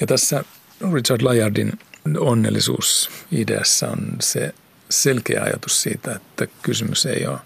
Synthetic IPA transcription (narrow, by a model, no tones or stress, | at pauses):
jɑt̪æsːæ | rit͡ʃɑrdlɑjɑrdinonːelːisṵːsidḛæsːæonse | selkḛːɑ̰jɑ̰t̪u̥ssiːt̪æet̪ːækysymysḛioː